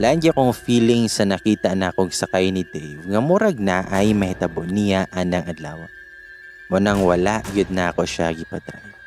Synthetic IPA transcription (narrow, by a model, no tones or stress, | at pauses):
land͡ʒɪkoŋfiːlɪŋsɐnɐkiːt̪ɐnakoŋsɐkajnɪd̪ɛ̰jvŋɐmʊɾɐɡ̚naʔɐjmɐhɪt̪ɐbonɪjaʔɐnɐŋʔɐd̪la̰ːwɐ | mʊnaŋwɐlaʔɡɪd̪̚nako̞ʃaɡɪpɐt̪ɾa̰j